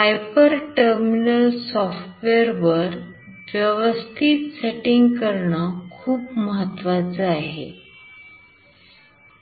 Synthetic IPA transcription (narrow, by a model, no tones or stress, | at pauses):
hajpəɾʈəɾminəlsɔfʈʋeɾʋəɾ | ʋjəʋəst̪ʰiːt̪seʈiŋɡkəɾɳəkʰuːpməɦət̪ːʋat͡səaɦḛ